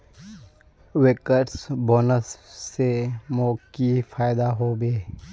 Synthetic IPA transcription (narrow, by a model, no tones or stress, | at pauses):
wekəʈsboːnəsːemoːkifʰaːjɪd̪aɦoːbeː